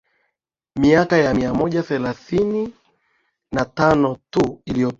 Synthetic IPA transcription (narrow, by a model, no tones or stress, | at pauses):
miakajamiamɔʄaθɛlaθini | natanɔtuilijɔ